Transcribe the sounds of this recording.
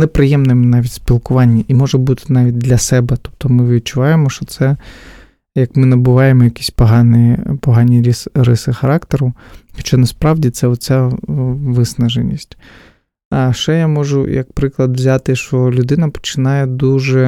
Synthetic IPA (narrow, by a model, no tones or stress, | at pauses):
nɛpɾɪjɛmnɪmnɑʋʲitʲsʲpʲilˠkʊʋɑnʲːɐʔimɔʒɛbut̪ɪ̥nɑʋʲit̚ʲd̪lʲɐsɛbɛt̪ɔ̥p̚t̪ɔmɪʋʲid̪̚t͡ʃʊʋɑjemɔʃt͡ʃɔt̪sɛ | jɐkmɪnɐbʊʋɑjemɔjɐkʲi̥sʲpɐɦɑnɪjpɔɦɑnʲiɾʲisɾɪsɪxɐɾɑkt̪eɾʊxɔt͡ʃanɐspɾɑʋdʲit̪sɛɔt̪t͡sʲa | ʋɪsnɐʒenʲːḭsʲtʲ | aʃɛjamɔʒʊ̰jɐ̰k̚pɾɪklˠɐd̪ʋzʲat̪ɪʃɔlʲʊd̪ɪnɐpɔ̥t͡ʃɪnɑjɛd̪uʒɛ